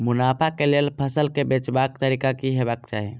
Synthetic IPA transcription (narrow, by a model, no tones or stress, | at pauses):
mʊnaːpʰakelelpʰəsəlkebet͡ʃbakt̪əɾikakiɦebakt͡ʃa̰ːɦĩ